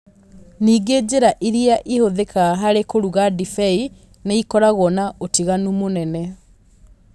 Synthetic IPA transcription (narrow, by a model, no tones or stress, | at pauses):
niːɡed͡ʑeɾaʔiɾiaʔihoðekaɦaɾekoɾuɣadifɛi | neikɔɾaɣɔnaʔotiɣanumonɛnɛ